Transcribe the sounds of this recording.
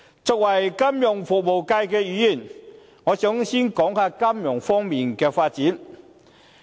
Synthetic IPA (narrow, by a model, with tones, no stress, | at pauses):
t͡sʊ˨k̚wɐ˨˩jkɐ˥mjʊ˨˩ŋfʊ˨k̚mo˨˩wka˧jkɛː˧jyː˨˧jiː˨˩n | ŋɔː˨˧t͡sʊ˨˥ŋsiː˥nkɔː˨˥ŋhaː˧ka˥mjʊ˨˩ŋfɔː˥ŋmiː˨nkɛː˧faː˧t̚t͡siː˨˥n